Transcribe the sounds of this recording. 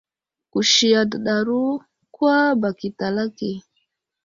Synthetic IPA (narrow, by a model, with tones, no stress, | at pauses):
ku˨ʃi˨ja˨dɗa˨ɾu˦ | kwa˦ba˨ki˨ta˨la˦ke˨